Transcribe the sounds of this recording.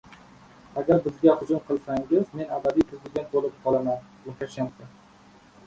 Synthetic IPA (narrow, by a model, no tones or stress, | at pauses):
aɡʲaɾbɪzɡʲahʊd͡ʒʊmqʰɨlˠsaŋɡʲɪzme̞nabad̪ijpʰɾɪzɪɡ̪ʲent̪̚bolɪp̚qʰɒlˠaman | mʊt̪ʰʲaʃant̪ʰɪ